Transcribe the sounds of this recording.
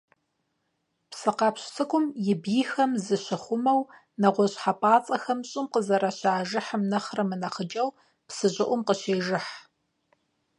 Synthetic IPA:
psɨqɑpɕsʰɨkʷʼʊmjɪbiːxɐmzɨɕɪχʷʊmɐw | nɐʁʷɔɕħapʼaːt͡sʼɐxɐmɕʼɪmqəzɐɾɐɕaːʒɪħəmnɐχrɐmɨnɐχəd͡ʒɐw | psɨʑʼɪʔʷʊmqəɕeːʒɪħ

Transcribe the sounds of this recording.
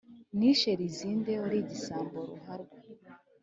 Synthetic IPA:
niʃeɾiziːndeoɾiɟisaːmboɾṵhaɾɡwa

